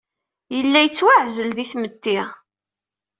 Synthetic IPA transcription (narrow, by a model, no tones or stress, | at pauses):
jəlːæjət͡sːwaʕzəlðiθmət̪ːɪʁ